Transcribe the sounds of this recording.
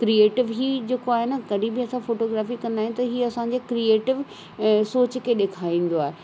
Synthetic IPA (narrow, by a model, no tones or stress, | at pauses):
kɾieːʈɪʋɦiːd͡ʑeːkoaːɦenɐɡɐɖʱĩbɪɐsãfoːʈoːɡɾaːfikɐ̃nd̪aːɦẽnt̪ɐɦiːɐsãɲd͡ʑeːkɾieːʈɪʋ | soːt͡ɕkʰeːɗeːkʰaːĩːn̆d̪oaːɦe